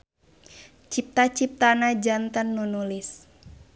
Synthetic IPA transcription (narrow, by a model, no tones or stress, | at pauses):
t͡ʃip̚t̪at͡ʃip̚t̪anad͡ʒant̪ənːunulis